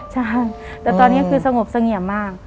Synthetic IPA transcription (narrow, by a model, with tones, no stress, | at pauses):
t͡ɕʰa˥˩j | t̪ɛː˨˩t̪ɔː˧nːi˦˥kʰɯː˧sa˧ŋo˨˩p̚sa˧ŋi˨˩əmmaː˥˩k̚